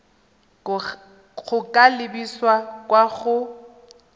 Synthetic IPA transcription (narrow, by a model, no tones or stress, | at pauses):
ɣʊkʼalɪbiswakʼwaɣʊ